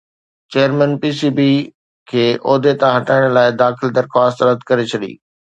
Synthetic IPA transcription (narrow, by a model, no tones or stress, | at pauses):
t͡ɕeːəɾmɛ̃npiːsiːbi | kʰeːʔɔːd̪et̪ãɦɐʈaːɪɽ̃laːɪd̪aːxɪld̪ɐɾxwaːst̪ɾɐd̪ʱkɐɾet͡ɕʰɐɗḭː